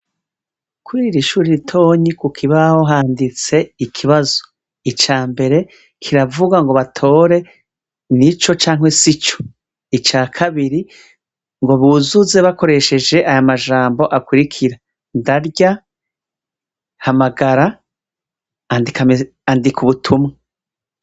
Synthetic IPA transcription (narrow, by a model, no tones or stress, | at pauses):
kʰwiiɾiʃuːɾiɾitʰo̞ːɲikukʰiβaho̞ɦaːndit͡se̞ikʰiβazo̞̥ | it͡ʃaːmbe̞ɾe̞ | kʰiɾavuɡaŋɡo̞βatʰo̞ːɾe̞ | nit͡ʃo̞t͡ʃaːŋ̥we̞sit͡ʃo̥ | it͡ʃaːkʰaβiɾi | ŋɡo̞βuːzuze̞βako̞ɾe̞ʃe̞d͡ʒe̞ʔajamaʒaːmbo̞ʔakwiɾikʰiɾa | ndaɾɟa | hamaɡaɾa | dika | andikʰuβutʰumŋa